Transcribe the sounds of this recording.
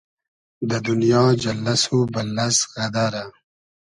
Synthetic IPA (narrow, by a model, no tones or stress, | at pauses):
d̪əd̪unijɑːd͡ʒɐlːɐsubɐlːɐsɣɐd̪aɾa